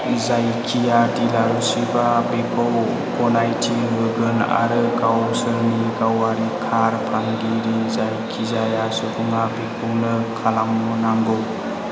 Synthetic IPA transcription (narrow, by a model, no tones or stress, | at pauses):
zajkʰijatilaɾusibabepʰɔw | kɔnajtʰibɯɡɯna̰ɾɯkawsɯɾnikawaɾikʰaɾpʰandiɾizajkʰizajasɔkʰuŋabepʰɔwnɯkʰalaŋnɔnaŋɡɯw